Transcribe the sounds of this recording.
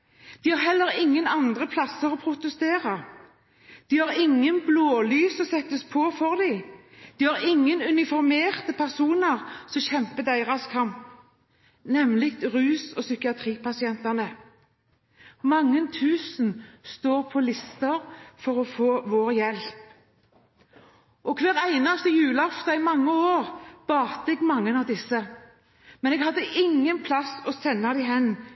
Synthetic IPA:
d̪̥ihɑʁhɛlːəɾʁɪŋːənɑnd̪ʁəpʰlɑsːəʁɔpʰɾʊt̪əst̪eːʁɑ | d̪̥iːhɑʁɪŋːənbloːlyːsɔsɛt̪ːəspʰoːfɔʁd̪æɪ | d̪̥iːhɑʁɪŋːənʉnɪfɔɾmeːʁt̪əpʰæʁsuːnəʁsɔmçɛmpəd̪æɪʁɑskʰɑmp | nɛmlɪk̚t̪ʁʉːsɔsʏkɪɑt̪ʰʁiːpʰɑsɪɛnt̪ɑnə | mɑŋːənt̪ʰʉːsn̩st̪oːʁpʰɔlɪst̪əʁfɔʁɔfoːʋoːʁjɛlp | ʔɔkʰʋæːʁæɪnɑst̪əjʉːləɑft̪ɑɪmɑŋːəoːʁb̥ɑːt̪əɛɡmɑŋːənɑʋd̪ɪsːə | mɛnɛɡhɑd̪ːəʔɪŋːənpʰlɑsɔsɛnːɑd̪æɪɦɛnː

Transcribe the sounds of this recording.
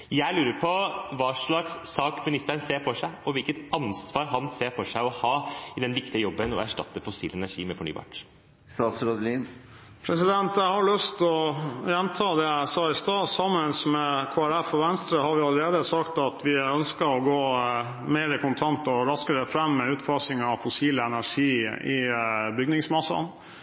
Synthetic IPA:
jæɪlʉːɾəɾpʰɔʋɑːʂɭɑksːɑːkmɪnɪst̪əɾənseːɾfɔʂæɪɔʋɪlkət̪ʔɑnsʋɑːɾɦɑnseːɾfɔʂæɪɔhɑːɪd̪ɛnʋɪkt̪ɪəjɔbːənɔ̰æʂʈɑ̰t̪ːəfɔsḭːlɛnæʂḭːmɛfɔɳy̰ːbɑ̰ːʈ | st̪ɑːt̪sɾɔd̪liːn | pʰɾɛsɪd̪ɛnt̪jæɪhɑɭʉst̪ɔjɛnt̪ʰɑːd̪ɛæɪsɑːɪst̪ɑːsɑmːənsmɛkʰoːæɾæfɔʋɛnst̪ɾəhɑɾʋɪɑləɾeːd̪əsɑkt̪ɑt̪ʰʋɪœnskəɔɡoː | meːɾəkʊnt̪ʰɑnt̪ɔɾɑskəɾəfɾɛmːɛʉːt̪fɑsɪŋɑʋfʊsiːləɛnæʂiːɪbʏɡnɪŋsmɑsːɑ̰n

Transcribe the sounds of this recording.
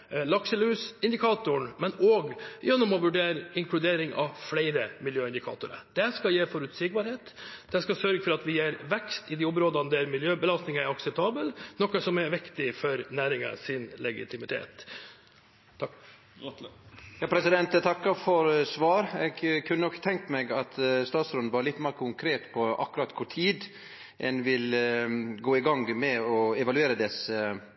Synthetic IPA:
lɑksəlʉːsɪnd̪ɪkʰɑːt̪ʊɳmɛnoːɡjɛnːɔmɔʋʉɖeːɾəɪŋklʉd̪eːɾɪŋɑ̰ʋflɛɪɾəmɪljøːɪnd̪ɪkʰɑ̰ːt̪ʊɾə̰d̪̥ɛskɑjeːfɔɾʉt̪sɪɡ̚bɑɾheːt̪d̪̥ɛskɑsœɾɡəfɔɾɑt̪ʋɪjeːɾʋɛkst̪ɪd̪ɪɔmɾoːd̪ɑnd̪ɛɾmɪljøːbəlɑst̪nɪŋəæɾɑksɛp̚t̪ʰɑːbəlnɔkəsɔmɛɾʋɪkt̪ɪfɔɾnæːɾɪŋə̰sɪnlɛɡɪ̰t̪ʰɪmɪt̪ʰḛːt̪ | jɑːpʰɾɛsɪd̪ɛnt̪ɛt̪ʰɑkːɑɾfɔɾsʋɑːɾɛɡkʰʉnːənɔkːt̪ʰɛŋkt̪mɛɡɑt̪st̪ɑːt̪sɾɔnnʋɑːɾəlɪt̪ːmeːɾkʰʊŋkʰɾeːt̪pʰɔʔɑ̰kːʉɾɑt̪ːkʰʊʈʰiːd̪ | ʔɛnʋɪl | ɡoːɪɡɑŋɡmɛɔɛʋɑlʉeːɾəd̪ɛsə

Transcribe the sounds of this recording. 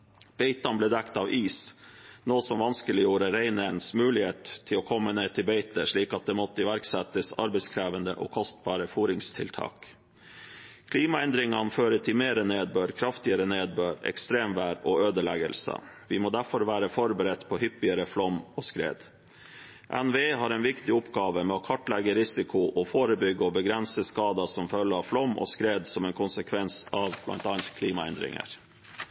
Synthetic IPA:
b̥eɪt̪ɑnbleːd̪ɛkt̪ɑːʋʔiːsnoːsɔmʋɑnskəlɪjuːɾəɾæɪnənsmʉːlɪheːt̪t̪ʰːɪlɔːkʰɔmːəneːt̪ʰɪbeɪt̪əʂɭiːkɑt̪̚d̪ɛːmɔt̪ːəɪʋæɾksɛt̪əsɑ̰ɾbɛɪskʰɾæːʋənd̪ə̰ʔɔ̰ːkʰɔst̪̚bɑːɾəfuːɾɪŋst̪ʰɪlt̪ʰɑ̰ːk | kʰliːmɑɛnd̪ɾɪŋɑ̰nføːɾət̪ʰɪmeːɾəneːd̪bøːɾkʰɾɑft̪ɪəɾəneːd̪̚bøːɾɛ̰kst̪ɾeːmʋæːɾɔːøːd̪əlɛɡə̰lsə̰ʋɪmoːd̪æɾfɔɾʋæːɾəfɔɾbəɾɛt̪pʰɔhʏpɪəɾəflɔmːɔːskɾḛːd̪ | ʔɛnʋeːɦɑɾɛnʋɪkt̪ɪʊpɡɑːʋəmɛɔkʰɔʈlɛɡəɾɪsɪkʰʊʔɔfoːɾəbʏɡəɔbəɡɾɛnsəskɑːd̪ɑsɔmfœlːəɑflɔmʔɔ̰skɾeːd̪sɔmɛnkʰʊnsəkʰʋɛnsɑʋb̥lʔɑ̰nt̪ɑːnt̪kʰliːmɑɛ̰nd̪ɾɪ̰ŋə̰ɾ

